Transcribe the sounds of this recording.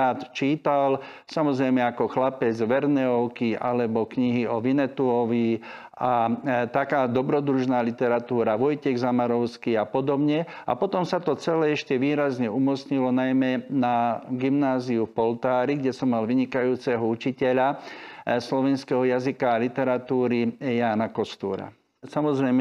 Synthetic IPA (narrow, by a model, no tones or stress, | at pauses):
aːt̪t͡ʃiːt̪al | samɔzɾɛjmɛakɔxlapɛd͡zʋɛɾnɛɔʊkia̰lɛbɔkɲiɦiɔʋinɛt̪uɔʋi | at̪akaːd̪ɔbɾɔd̪ɾuʒnaːlit̪ɛɾat̪uːɾaʋɔjcɛɣzamaɾɔʊskiapɔd̪ɔbɲɛ | a̰pɔt̪ɔmsat̪ɔt͡sɛlɛɛʃcɛʋiːɾazɲɛumɔt͡sɲilɔnajmɛnaɡimnaːziufpɔlt̪aːɾiɡɟɛsɔmːalʋiɲikajuːt͡sɛɦɔut͡ʃicɛʎa | slɔʋɛnskɛɦɔjazikaːlit̪ɛɾat̪uːɾijaːnakɔst̪uːɾa̰ | samɔzɾɛjm